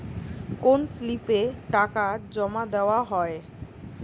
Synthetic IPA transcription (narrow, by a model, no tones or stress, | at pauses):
konslipeʈakad͡ʑɔmad̪eoaɦɔe